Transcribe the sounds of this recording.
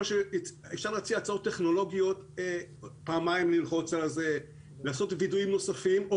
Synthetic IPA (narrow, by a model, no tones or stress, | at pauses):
aʃe | efʃaʁleːt͡siat͡sao̞t̪ːe̞χno̞lo̞ɡijo̞te | paːmaimlilχo̞t͡salaze | laːso̞tviduimno̞safimo